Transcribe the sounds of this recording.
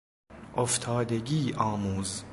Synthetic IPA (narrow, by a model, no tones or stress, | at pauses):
ʔoft̪ʰɑːd̪eɡiːʔɒːmuːz